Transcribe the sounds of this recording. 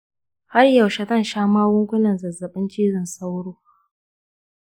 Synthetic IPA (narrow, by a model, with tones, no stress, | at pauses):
ha˦rjɐ˨wʃa˨tɐ˦˨nʃaː˦maː˦wʊ˦ŋkʷʊ˦nɐ˨nzɐ˨zɐ˨ɓɪ˦nt͡ʃiː˦zɪ˨nsa˦wɽoː˦